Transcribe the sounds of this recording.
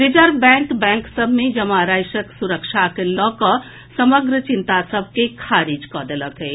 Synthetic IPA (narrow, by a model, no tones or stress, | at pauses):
ɾɪd͡ʒəɾbɛ̃ːŋkbɛ̃ːŋksəbʱmẽd͡ʒɐmaɾaːjʃəksuɾəkʃakelɔːkɔ | sɐməɡɾət͡ʃɪnt̪asəb̚ʱkekʰaːɾid͡ʒkɔːd̪ələkɦɛː